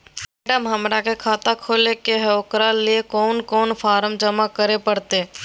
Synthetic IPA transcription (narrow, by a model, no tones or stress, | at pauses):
ɛːɖəmɦəmɾakekʰaːt̪akʰoːlekeɦɛʊkɾaliekɔːnkɔːnfʰaːɾəmd͡ʒəmakəɾepəɽt̪eː